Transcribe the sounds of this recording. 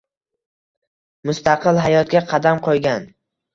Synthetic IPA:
mʊst̪ɑqɨlˠɦajɒt̪̚ɡʲaqʰɑd̪amqʰojɡʲan

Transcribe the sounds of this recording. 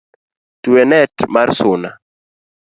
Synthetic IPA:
tuwɛnɛtmarsʊna

